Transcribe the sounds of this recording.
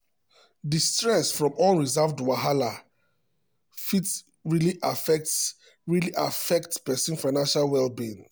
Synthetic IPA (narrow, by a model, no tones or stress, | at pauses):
distɹɛsfɹɔ̃mɔlɹizavdwaɦala | fit | ɹiliʔafɛk | ɹiliʔafɛk̚tpɛsĩnfaɪnãnʃalwɛlbĩn